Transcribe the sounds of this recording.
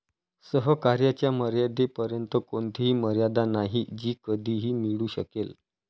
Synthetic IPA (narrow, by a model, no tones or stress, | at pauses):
səɦəkaɾjat͡ɕjaməɾjad̪epəɾjənt̪əkont̪ʰiɦiːməɾjad̪anaɦid͡ʑiːkəd̪ʱiːɦiːmiɭuːɕə̰kel